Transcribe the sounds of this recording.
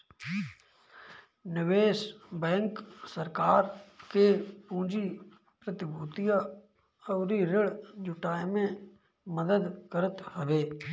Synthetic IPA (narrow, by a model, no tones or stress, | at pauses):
nɪʋeːsbɛ̃ːŋksəɾkaːɾkeːpũːd͡ʒi | pɾət̪ɪbuːt̪ija | ɔːɾiɾɪɽd͡ʒʊʈaːemẽ | məd̪əd̪kəɾət̪həʋeː